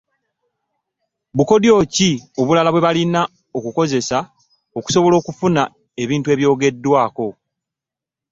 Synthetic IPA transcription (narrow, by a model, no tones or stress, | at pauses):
βuko̞djo̞ːcio̞βulalaβwe̞βalina | o̞kuko̞ze̞sa | o̞ku̥so̞βo̞lo̞ːkufuna | e̞βiːntueβjo̞ːɡe̞dːwaːko̞